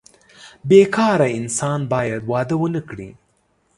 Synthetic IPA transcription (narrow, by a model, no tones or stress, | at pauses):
bekʰɑɾaɪnsɑnbɑjad̪wɑd̪əwənəkɽḭ